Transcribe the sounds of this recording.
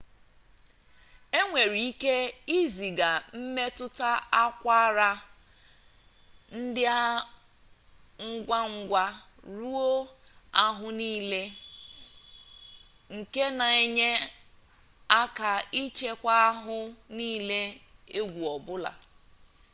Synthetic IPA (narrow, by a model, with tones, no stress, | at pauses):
e˦ŋʷe˨ɾi˨i˦ke˦i˦zi˨ɡa˨m̩˦me˦tʊ˦ta˦a˦kʷa˦ɾa˦ | n̩˦dɪ˦a˦ | ŋ̩˦ɡʷa˦ŋ̩˦ɡʷa˦ | ɾu˦o˦a˦ɦʊ˦niː˦le˦ | ŋ̩˨ke˦na˨e˦ɲe˦ | a˦ka˨i˦t͡ʃe˦kʷa˦a˦ɦʊ˦niː˦le˦e˦ɡʷu˨ɔ˨bʊ˦la̰˨